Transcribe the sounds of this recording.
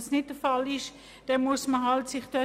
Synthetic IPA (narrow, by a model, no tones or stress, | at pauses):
snɪt̚d̥əfɑlɪʃ | d̥ɛnmusməɦɑltsɪχd̥œ